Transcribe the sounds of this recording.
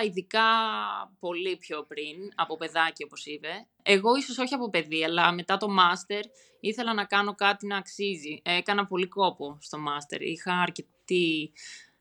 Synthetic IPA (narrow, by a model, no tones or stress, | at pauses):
iðikɐpo̞lipço̞pɾinɐpo̞pe̞ðɐcio̞po̞sipe̞ | e̞ɣo̞iso̞so̞çiɐpo̞pe̞ðiɐlɐme̞t̪ɐt̪o̞mɐst̪e̞ɾ | iθe̞lɐnɐkɐno̞kɐt̪inɐːksiziekɐnɐpo̞liko̞po̞st̪o̞mɐst̪e̞̰ɾḭxɐːɾce̞t̪i